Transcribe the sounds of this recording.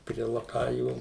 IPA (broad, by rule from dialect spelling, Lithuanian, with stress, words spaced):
pʲrʲiɛ lˠɐˈkɑːjuː